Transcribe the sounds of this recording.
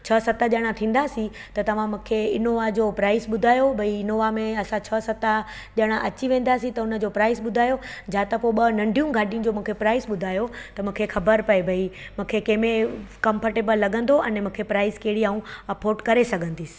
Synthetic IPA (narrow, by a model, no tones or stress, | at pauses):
t͡ɕʰɐsɐt̪aʄɐɽ̃ãt̪ʰĩːn̆d̪aːsĩ | t̪ɐt̪ɐʋ̤ãmũːkʰeɪnoːʋad͡ʑopɾaːɪsɓʊd̪ʱaːjobʱɐiɪnoʋamẽɐsãt͡ɕʰɐsɐt̪a | ʄəɽ̃aʔɐt͡ɕiʋẽːn̆d̪aːsĩt̪ɐʊnə̆d͡ʑopɾaːɪsɓʊd̪ʱaːjod͡ʑʱaːt̪ɐpoɓɐnɐ̃ɳɖʱijũɡʱaːʈijũd͡ʑoːmũːkʰepɾaːɪsɓʊd̪ʱaːjot̪ɐmũːkʰexɐbəɾpɐebʱɐi | mũːkʰekɐ̃ːmẽkɐ̃mpəɾʈebəlːɐɡʱə̃nd̪oɐ̃nmũːkʰepɾaːɪskeɦɪɽiaːũɐpoːɾʈkɐɾesɐɡʱə̃nd̪iːs